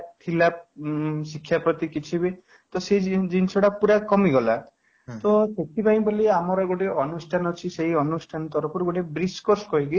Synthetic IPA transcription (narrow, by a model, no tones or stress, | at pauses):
t̪ʰila | sikʰːjapɾɔt̪ikit͡ʃʰibi | t̪ɔsed͡ʒinsʰɔɽapuɾakɔmiɡɔla | t̪ɔseʈʰipaĩboliamɔɾɔɡoʈeɔnusʈʰanɔt͡ʃʰiseiɔnusʈʰanɔt̪ɔɾɔpɔɾuɡoʈebɾiskɔɾskɔɦiki